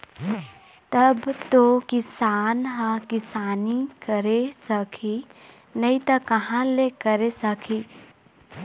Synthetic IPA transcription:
t̪ɐbt̪okɪsaːnɦãkɪsaːnikəɾesɐkʰi | nɐĩt̪ɐkɐɦãlekəɾesɐkʰiː

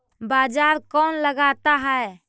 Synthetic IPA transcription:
bad͡ʒaɾkɔnləɡat̪aɦɛe

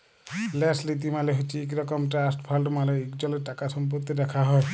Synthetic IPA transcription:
lɛslit̪̬imaleɦot͡ʃʰiek̬ɾɔkɔmʈɾasʈpʰalɖmaɾɔekd͡ʒɔleɾʈakasɔmp̬ɔt̪ːid̪ɛkʰaɦɔe

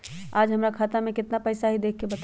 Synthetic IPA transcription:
aːd͡ʒɦəmɾakʰaːt̪amẽkɪt̪napəɪsaɦid̪eːkʰkːebət̪

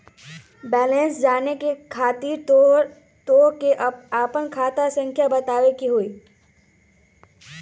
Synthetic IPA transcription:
bɛːlẽːnsd͡ʒaːnekekʰaːt̪iːɾ | t̪oːɾkeʔaːpənkʰaːt̪asə̃ŋkʰjabɐt̪aːʋekiɦoiː

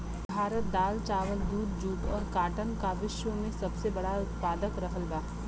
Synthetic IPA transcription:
bʱaːɾət̪̚d̪aːlt͡ʃaːʋəld̪uːd̪d͡ʒuːpɔːɾkaːʈənkaːʋɪʃʋəmẽsɐbsebɐɽaʊt̪paːd̪əkɾɐkʰəlbaː

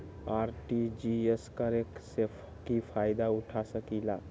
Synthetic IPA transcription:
aɾʈid͡ʒieskəɾekse | kipʰajd̪auʈʰasəkila

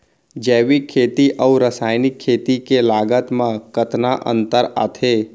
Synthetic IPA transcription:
d͡ʒɛːʋikʰːeːt̪iʔəuɾəsaːɪnɪkʰːeːt̪ikelaːɡət̪mãkət̪naʔə̰̃nt̪əɾa̰ːt̪ʰe

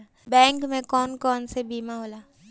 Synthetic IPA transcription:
bɛ̃ːŋkmẽkɔːnkɔːnsebiːmaɦoːlaː

